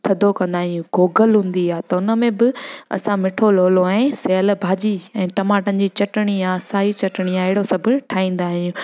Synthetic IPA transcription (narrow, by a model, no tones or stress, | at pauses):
t̪ʰɐd̪ʱokɐ̃nd̪aːɦɪĩjũɡoːɡəlɦũːn̆d̪iaːt̪ɐʊnəmẽbɪɐ̰sãmɪʈʰoloːloaẽsɛːəlbʱaːd͡ʑiɛ̃ːʈɐmaːʈənɪ̆d͡ʑiːt͡ɕɐʈɪɽ̃iaːsaːit͡ɕɐʈɪɽ̃iaːɪɦɪɽosɐbʱʊʈʰaːĩːn̆d̪aːɦɪĩjũ